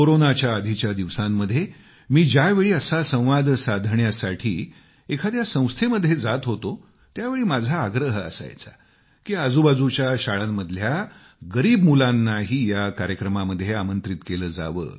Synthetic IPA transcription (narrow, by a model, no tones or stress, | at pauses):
koɾonat͡ɕjaəd̪ʱit͡ɕjad̪iʋsãmːəd̪ʱːje | miːd͡ʑjaʋeɭiːəsasə̃w̃ʋad̪ʱsad̪ʱɳjasaʈʰiː | ekʰad̪jasə̃w̃st̪ʰeməd̪ʱːjed͡zat̪ɦot̪o | t̪jaʋeɭiːmad͡zʱaːɡɾəɦəə̰sa̰jt͡sa̰ | kiːəd͡zubad͡zut͡ɕjaɕaɭamːəd̪ʱlja | ɡəɾiːbmulanːaɦiːjakaɾjəkɾəmaməd̪ʱːjeamənt̪ɾit̪keləːd͡za̰ʋə̰ː